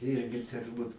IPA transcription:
ˈɪrʲɡʲɪ tʊrˈbuːt

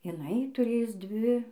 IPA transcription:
jɪˈnɐɪ tʊˈrʲeːjʊs ˈdʲʋʲɪ

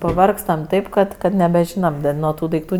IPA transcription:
pɐˈʋɐrkstɐm ˈtɐɪp kɐt kɐt nʲɛbʲɛˈʒʲiːnɐm nuɔ ˈtuː dɐɪkˈtuː

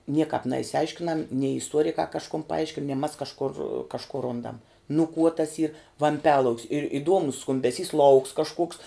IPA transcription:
ˈnʲiɛkɑːp nʲɛɪʃʲsʲɪˈɐɪʃʲkʲɪnɐm nʲɛɪ ɪsˈtuɔrʲɪkɑː kɐʃˈkʊn pɐˈɐɪʃʲkʲɪn nʲiɛ mɐs kɐʃˈkʊr kɐʃˈkʊ ˈrʊndɐm nʊ kuɔ tɐs iːr ʋɐmʲˈpʲæːlˠɐʊkʲs ɪr ɪˈduɔmʊs skʊmʲbʲɛˈsʲiːs lˠɐʊks kɐʃˈkuɔks

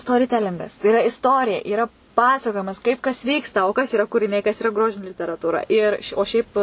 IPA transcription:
stoːrʲɪˈtʲæːlʲɪŋɡɐs tɐɪ ɪˈrɐ ɪsˈtoːrʲɪjɛ iːˈrɐ ˈpɑːsɐkoːjɪmɐs kɐɪp kɐs ˈʋʲiːkstɐ oː kɐs iːˈrɐ kʊrʲɪˈnʲɛɪ kɐs iːˈrɐ ˈɡroːʒʲɪnʲɪ lʲɪtʲɛrɐtuːˈrɐ ɪr oː ˈʃʲɛɪp

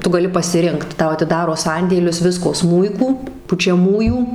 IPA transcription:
ˈtʊ ɡɐˈlʲɪ pɐsʲɪˈrʲɪŋkt ˈtɐʊ ɐtʲɪˈdɑːroː ˈsɐnʲdʲeːlʲʊs ˈʋʲɪskoː ˈsmuːɪkuː pʊt͡ʃʲɛˈmuːjuː

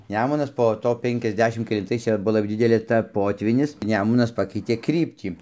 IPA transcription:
ˈnʲæːmʊnɐs poː ˈtoː ˌpʲɛŋʲkʲɛzʲˈdʲæːʃʲɪm kʲɛlʲɪnˈtɐɪs ˈt͡ʃʲɛ ˈbuɔ lˠɐp ˈdʲɪdʲɛlʲeː ˈtɐ ˈpoːtʲʋʲiːnʲɪs ˈnʲæːmʊnɐs ˈpɑːkʲɛɪtʲeː ˈkrʲiːpʲtʲiː

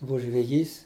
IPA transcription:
ˈbʊʋʊ ʒʲʋʲɛˈjiːs

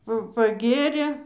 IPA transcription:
ˈpɐ pɐˈɡʲeːrʲeː

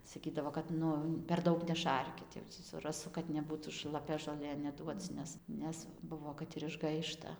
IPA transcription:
sɐˈkʲiːdɐʋoː kɐt ˈnʊ pʲɛr ˈdɐʊk nʲɛˈʃɐrʲkʲɪt jɛʊ tʲiː sʊ rɐˈsʊ kɐt nʲɛˈbuːtuː ʃlˠɐˈpʲɛ ʒoːˈlʲeː nʲɛˈduɔt͡s ˈnʲɛs ˈnʲɛs ˈbʊʋoː ˈkɐt ɪr ɪʒˈɡɐɪʃtɐ

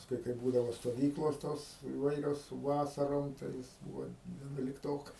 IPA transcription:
pɐsˈkʊɪ kɐɪ ˈbuːdɐʋoː stoːˈʋʲiːklˠoːs ˈtoːs ɪˈʋɐɪrʲoːs ˈʋɑːsɐroːm tɐɪ ˈjɪs ˈbuːʋoː ʋʲiɛnʊlʲɪkˈtoːkɐs

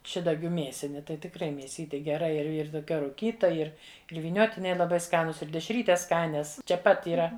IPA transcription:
ˈʃʲɪdɐɡʲʊ ˈmʲeːsʲɪnʲɪ tɐɪ tʲɪkˈrɐɪ mʲeːˈsʲiːtʲɪ ɡʲɛˈrɐ ɪr ɪr toːˈkʲɛ rʊˈkʲiːtɐ ˈɪr ɪr ʋʲiːˈnʲoːtʲɪnʲɛɪ lˠɐˈbɐɪ ˈskɑːnʊs ɪr dʲɛʃʲˈrʲiːtʲɛs ˈskɑːnʲɛs t͡ʃʲɛ ˈpɐt iːˈrɐ

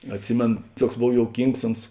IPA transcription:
ɐtʲˈsʲɪmʲeːnoː ˈtuɔks ˈboːw joːʊˈkʲiːŋks ˈʊns

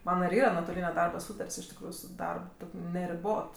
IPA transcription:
ˈmɑːnɐ ɪr ˈiːrɐ nuɔtoːˈlʲiːnʲɛ ˈdɐrbɐ ˈsuːtɐrʲtʲsʲ ɪʃ tʲɪkˈruːjʊ sʊ ˈdɐrp ˈtoːkʲ nʲɛrʲɪˈboːt

